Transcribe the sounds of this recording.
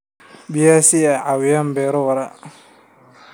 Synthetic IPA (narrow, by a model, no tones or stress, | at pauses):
bijasiaʕawɪjambɛːɾɔwɐɾa